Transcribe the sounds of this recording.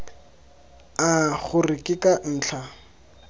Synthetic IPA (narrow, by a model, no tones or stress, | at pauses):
aχʊrɪkʼɪkʼan̩ːt͡ɬʰa